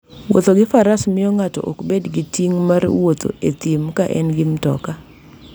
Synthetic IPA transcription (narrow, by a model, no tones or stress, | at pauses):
wo̰t̪oɡɪfaɾasmɪɔŋatɔ̰ʔokbedɡɪtiŋmarwot̪o̰et̪imkaʔɛ̰nɡɪmtɔ̰ka